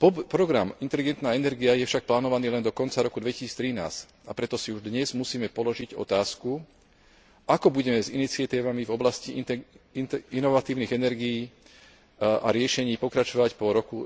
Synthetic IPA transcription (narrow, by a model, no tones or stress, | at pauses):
pɔpɾɔɡɾamint̪ɛliɡɛnt̪naːɛnɛɾɡiajɛfʃak̚plaːnɔʋaniːlɛnd̪ɔkɔnt͡saɾɔkud̪ʋɛcisiːt͡st̪ɾina̰ːsc | apɾɛt̪ɔsiuʒd̪ɲɛzmusiːmɛpɔlɔʒiɟɔ̰t̪aːsku | akɔbuɟɛmɛzinit͡sɪat̪iːʋamivɔblasci | inɔʋat̪iːʊniːɣɛnɛɾɡijiː | a̰ɾɪɛʃɛɲiːpɔkɾat͡ʃɔʋacpɔɾɔku